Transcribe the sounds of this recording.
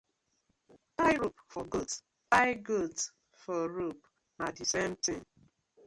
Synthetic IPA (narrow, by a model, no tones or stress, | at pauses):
taɪɾupfɔɡot | taɪɡot | fɔɾup | nadisem̩tɪ̃n